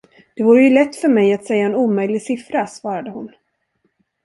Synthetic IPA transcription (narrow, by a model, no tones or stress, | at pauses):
d̪̥ɛvʊːɾəjɵlɛt̪ːfœɾmɛjat̪sɛjːaɛnuːmœjlɪɡsɪfɾasvɑːɾad̪əhʊn